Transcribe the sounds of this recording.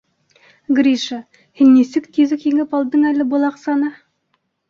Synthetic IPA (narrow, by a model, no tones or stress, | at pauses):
ɡrʲiʃɑ | hinːisɘkt̪ʲiðɘkhiŋɘpɑlˠd̪ɤɴælɘ̆bŏlˠɑqsɑnɑ